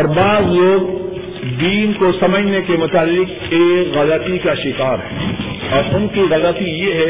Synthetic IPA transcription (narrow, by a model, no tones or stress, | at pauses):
ɔːɾbaːzloːɡ | d̪iːnkosɐməd͡ʒʱnekemʊt̪aːlɪk | eːkɣɐlət̪ikaʃɪkaːɾɦɛ̰ː | ɔːɾʊnkiɣɐlət̪ijeɦɛ